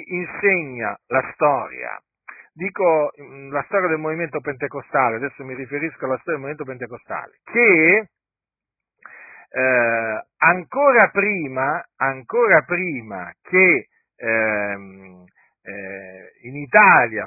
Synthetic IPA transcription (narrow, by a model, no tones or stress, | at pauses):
inseɲːalast̪ɔːɾj̰a̰ | d̪iːkolast̪ɔːɾjad̪elmoviment̪opent̪ekost̪aːlead̪ɛsːomirifeɾiskoalːast̪ɔɾjdemovient̪opent̪̬ekost̪a̰ːlekʰe | aŋkoːɾapɾiːmaːŋkoːɾapɾiːma̰kʰe | init̪aːlja